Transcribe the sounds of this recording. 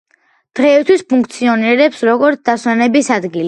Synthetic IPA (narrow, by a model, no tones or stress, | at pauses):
d̪̥ʁɛit̪ʰwispʰuŋk̚ʰt̪sʰiɔniɾɛpsɾɔɡɔɾt̪sʰd̪aswɛnɛbisad̪ɡili